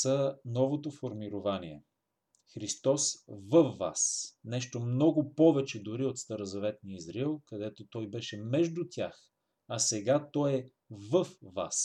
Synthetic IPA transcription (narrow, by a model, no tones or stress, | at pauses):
sənɔvot̪ofoɾmiɾovaniɛ̰ | xɾist̪ɔsvəfːa̰snɛʃt̪omnɔɡʊpɔvɛt͡ʃɛd̪ʊɾiot̪st̪ɐɾozɐvɛt̪niizɾilˠkɐd̪ɛt̪ot̪ɔjbɛʃɛmɛʒd̪ʊt̪ʲjax | ɐsɛɡat̪ɔjɛ | vəfva̰s